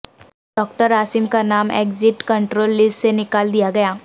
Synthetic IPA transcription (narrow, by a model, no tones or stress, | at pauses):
ɖɔːk̚ʈəɾaːsɪmkanaːmḛːkzɪʈkɐ̃ɳʈɾoːlːɪsʈsenɪkaːld̪ijaɡɐjaː